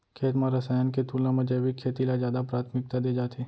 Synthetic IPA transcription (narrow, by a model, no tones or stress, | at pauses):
kʰeːt̪mãɾɐsaːjanket̪uːlãmɐ̃d͡ʒebikʰeːt̪ilazjaːd̪apɾaːt̪ʰmɪk̚t̪ad̪eːd͡ʒaːt̪ʰiː